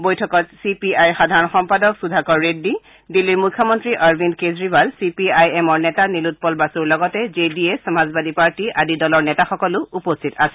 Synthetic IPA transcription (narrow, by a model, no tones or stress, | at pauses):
bojtʰɔkɔtsipiajxadʱaɹɔnxɔmpadɔksudʱakɔɹːedːi | dilːiɹmukʰːɔmɔntɹiʔaɹbinkezɹibalsipiajɛmɔɹnɛtanilut̚pɔlbasuɹlɔɡɔtɛzediesɔmazbadipaɹtiʔadidɔlɔɹnɛtaxɔkɔlʊʔupostʰitasɛ